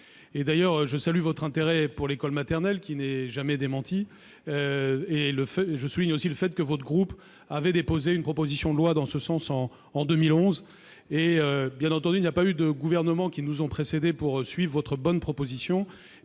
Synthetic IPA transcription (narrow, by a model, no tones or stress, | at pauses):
ed̪ajœʁʒəsalyvɔt̪χɛ̃t̪eʁɛpuʁlekɔlmat̪ɛʁnɛlkʲinɛʒamɛd̪emɑ̃t̪ʰi | øeləfɛʒəsuliɲosiləfɛt̪̚kəvɔt̪χɡʁup | avɛd̪epozeynpχɔpozisjɔ̃d̪əlwad̪ɑ̃səsɑ̃sɑ̃ː | d̪ømilɔ̃z | eøbjɛ̃nɑ̃t̪ɑ̃d̪yinjapayd̪əɡuvɛʁnəmɑ̃kʲinuzɔ̃pχesed̪epuʁsɥivʁvɔt̪χəbɔnpχɔpozisjɔ̃